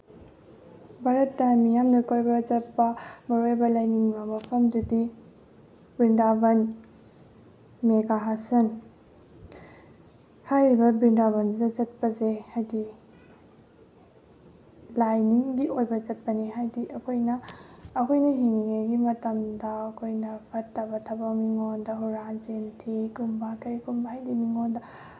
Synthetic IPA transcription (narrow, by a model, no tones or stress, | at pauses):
bʱaɾɐtːɐmijamnɐkʰoɾbɐd͡ʒɐt̚pɐmɐɾojbɐlajniŋbɐmɐpʰɐmdudi | bɾindabɐn | meɡaɦasɐn | hajɾibɐbɾindaβɐndudɐd͡ʒɐt̚pɐzehajdi | lajniŋɡiʔojbɐt͡ʃɐt̚pɐniɦajdiʔɐkʰojnɐːkʰojnɐɦiŋiŋaɡimɐtɐmdɐːkʰojnɐpʰɐtːɐbɐtʰɐbɐmiŋondɐɦuɾad͡ʒentʰikumbakɐɾikumbaɦajdimiŋondɐ